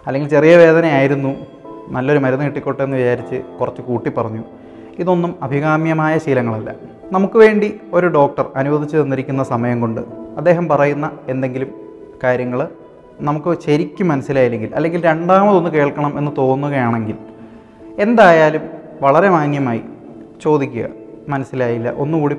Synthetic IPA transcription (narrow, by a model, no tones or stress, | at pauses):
ɐlːeŋɡilt͡ɕe̞rijɐʋe̞ːd̪ɐnɐjaːjiɾunːu | nɐlːo̞ɾumɐɾunɨkiʈːikʲːo̞ʈːenːɨʋit͡ɕaːɾit͡ɕːɨkurɐt͡ɕːɨkuːʈːipːɐrɐɲːu | iðo̞nːumɐbʱiɣaːmjɐmaːjɐɕiːlɐŋːɐɭɐlːɐ̰ | nɐmukːɨʋe̞ːɳɖio̞ɾuɖo̞ːk̚ʈɐrɐnuʋɐd̪ʱit͡ɕːɨðɐnːiɾikʲːunːɐsɐmɐjɐŋko̞ɳɖɨ̰ɐd̪ːe̞ːɦɐmpɐrɐjunːɐe̞nd̪e̞ŋɡilum | kaːɾjɐŋːɐɭ | nɐmukːɨɕeɾikʲːumːɐnɐsːilaːjile̞ŋɡilɐ̰lːe̞ŋɡilɾe̞ɳɖaːmɐðo̞nːɨke̞ːɭkɐɳɐme̞nːɨt̪o̞ːnːuɣɐjaːɳe̞ŋɡil | e̞nd̪aːjaːlum | ʋɐɭɐɾe̞maːnjɐmaːjḭ | t͡ɕo̞ːd̪ikʲːuɣɐ̰mɐnɐsːilaːjilːɐ̰ʔo̞̰nːuɣuːɽi